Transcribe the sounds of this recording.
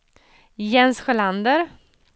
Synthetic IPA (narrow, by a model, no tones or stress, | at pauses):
jɛnsɧɛland̪əɾ